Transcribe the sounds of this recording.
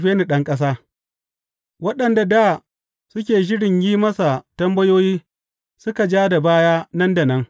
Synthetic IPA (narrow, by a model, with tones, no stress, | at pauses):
ɸeː˦ni˨ɗɐ˦ŋkʼɐ˦s̬aː˦ | wɐ˦ɗɐ˨nda˨da˦˨ | sʊ˦kʲeː˨ʃɪ˦ɽɪ˨ɲjiː˦mɐ˦sa˨tɐ˦mbɐ˦joː˦jiː˦ | sʊ˦ka˨d͡ʒaː˦da˨baː˦jaː˦nɐ˦nda˨nɐ˦ŋ